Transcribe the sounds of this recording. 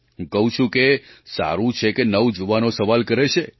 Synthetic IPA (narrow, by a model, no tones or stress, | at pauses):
ɦũkəɦũt͡ʃʰũkesa̰ɾũt͡ʃʰekenəwd͡ʒoʋanosəʋalkəɾet͡ʃʰe